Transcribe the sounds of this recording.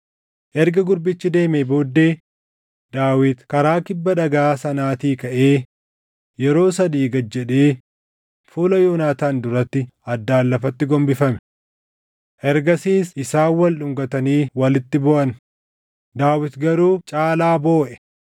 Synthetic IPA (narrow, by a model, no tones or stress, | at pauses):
ʔɛɾɡɐɡʊɾbɪt͡ʃːɪd̪e̞ːmeːbo̞ːd̪ːe̞ː | d̪̥aːwɪt̪kɐɾaːkɪbːɐᶑɐɡaːsɐnaːt̪iːkɐʔe̞ː | jɛɾo̞ːsɐd̪iːɡɐd͡ʒːɛᶑeː | fuːlɐjoːnaːt̪aːnd̪ʊɾɐt̪ːɪɐd̪ːaːlːɐfɐt̪ːɪɡɔmbɪfɐmɛ̥ | ʔɛɾɡɐsiːsɪsaːwɐlɗʊŋɡɐt̪ɐniːwɐlɪt̪ːɪbɔʔɐn | d̪aːwɪt̪ɡɐɾuːt͡ʃʼaːlaːbo̞ːʔɛ̥